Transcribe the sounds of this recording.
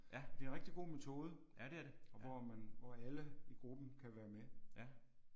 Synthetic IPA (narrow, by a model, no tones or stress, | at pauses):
d̥e̝enʁɛɡ̥d̥iɡ̥o̝̰ːmet͡sʰo̝ːð̞ˠədeɒʋɒmænʋɒæləiɡ̥ʁub̥n̩kʰæʋæːɐme